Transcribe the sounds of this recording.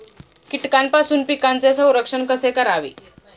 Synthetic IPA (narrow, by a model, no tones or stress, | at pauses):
kiʈkanpasuːnpikant͡sesə̃w̃ɾəkʂəɳkəsekəɾaʋḭː